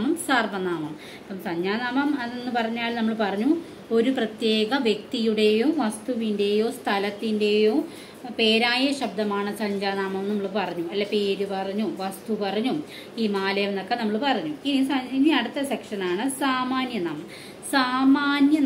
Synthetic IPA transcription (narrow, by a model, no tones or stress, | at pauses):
mɐmsaːrʋɐnaːmɐm | ɐpːɐmsɐɲd͡ʑaːnaːmɐmɐðe̞nːɨpɐrɐɲːaːlnɐmːɐɭpɐrɐɲːu | o̞ɾuprɐt̪je̞ːɡɐʋjek̚t̪ijuɽe̞joːʋɐst̪uʋinde̞jo̞ːst̪ʰɐlɐt̪ːinde̞jo̞ː | pe̞ːɾaːjɐɕɐb̚d̪ʱɐmaːɳɨsɐɲd͡ʑaːnaːmɐmnɐmːɐɭpɐrɐɲːuɐlːɐpe̞ːɾupɐrɐɲːuʋɐst̪upɐrɐɲːu | iːmaːlɐjɐmenokːenɐmːɐɭpɐrɐɲːuinisɐiniɐɽut̪ːɐsɐkʂɐnaːɳɨsaːmaːnjɐnaːmɐm | saːmaːnjɐ